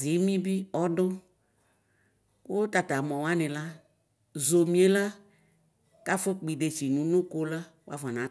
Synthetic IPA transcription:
zi˨˦mĩ˦bi˦ɔ˦ɖʊ˦ | ko˦t̪a˨t̪a˨mɔ̃˨wa˦nɪ̃˨la˦ | zo˨mĩ˦e˦la˦ | ka˦fo˦k͡pi˨ɖe˨t͡ʃi˨nũ˨˦nʊ̃˦ko˦la˦ | wo˦a˦va˨nã˨˦

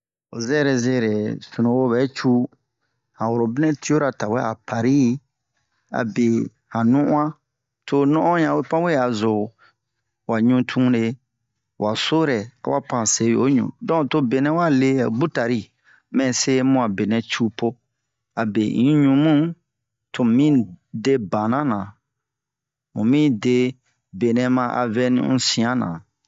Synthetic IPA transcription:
o̰˨zɛ˦ɾe˨ze˦ɾe˨su˨nũ˨wo˦bɛ˨˦t͡ʃu˦ | hã˨wo˨ɾo˨bi˦nɛ̃˦ti˦o˦ɾa˨ta˨wɛ˦a̰˨pa˨ɾi˦ | a̰˨be˨ | hã˨nũ˦ʔũ˦ã˦ | to˨nɔ̃˦ʔɔ̃˦ɲã˨we˦pã˦we˦a˨zo˨ | wa˨ɲũ˦tʰũ˦ne˦ | wʔa˨so˦ɾɛ˨a̰˨wa˦pã˨se˨˦jo˦ɲṵ̃˨dɔ̃˦˨to˦be˨nɛ̃˦wa˦˨le˦˨bu˦ta˨ɾi˦ | mɛ̃˨se˦mũ˧a˨be˨nɛ̃˨t͡ʃu˦po˦ | a˨be˨ḭ̃˨˦ɲũ˨mũ˦ | to˨mĩ˦de˦bã˨nã˦nã˨ | mũ˨mĩ˦de˦ | be˨nɛ̃˨mã˧ʔa̰˨vɛ˧nḭ̃˦ṵ̃˦sĩ˨ã˦nã̰˨

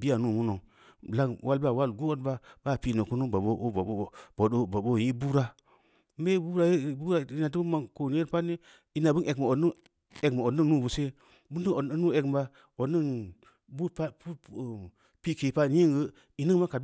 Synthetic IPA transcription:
bi˦a˨nu˦˨mu˦no˨ŋ˨ | la˦ŋwʔa˦lba˨wa˦lɡo˦o˦tba˦ba˦˨pi˦˨no˨ku˦nu˦ba˨bo˦˨o˦˨bo˨do˦bo˨bo˦˨ji˦bu˦ɾa˦ | be˦bu˦ɾa˦je˦bu˦ɾa˦˨i˦na˨t̬i˦bma˨ko˨n˨˦e˦ɾpa˦ni˦ | i˦na˨bə˦ne˨kma˨o˨dnu˦ | e˨kma˨o˨nə˦ŋnu˦˨bu˨se˦ | bu˦n˦də˦o˨˦nu˦e˨km˦ba˦ | o˨dni˦n | bu˦pu˦˨ | pi˦ke˨pa˦n˦i˦ŋɡə˦ | i˦ni˦ŋma˦ka˨d

